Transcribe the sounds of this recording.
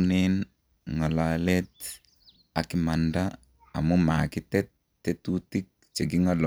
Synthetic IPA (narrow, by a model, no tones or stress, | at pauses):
nɛn | ŋalalɛt̪̚ | akimanda̰ː | mumakit̪ɛt̪ː | ɛt̪ut̪ik̚t͡ʃeɡiŋalɔ